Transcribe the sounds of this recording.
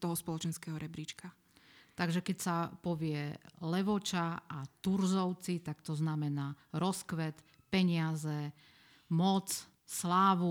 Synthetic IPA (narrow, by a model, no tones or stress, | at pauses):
t̪ɔɦɔspɔlɔt͡ʃɛnskɛɦɔɾɛbɾit͡ʃka | t̪aɡʒɛkɛcsapɔʋɪɛlɛʋɔt͡ʃaat̪uɾzɔʊt͡sit̪akt̪ɔznamɛnaːɾɔskʋɛt̪ | pɛɲɪazɛ | mɔt͡s | slaːʋu